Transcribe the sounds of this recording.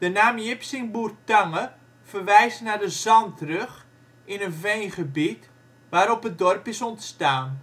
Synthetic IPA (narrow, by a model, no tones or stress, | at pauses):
d̥ənaːmjɪpsɪŋburtaŋə | fərʋɛjsnadəzɑntrøx | ɪnənvejnχəbit | ʋaːɾɔpət̚dɔrpɪsɔntstaːn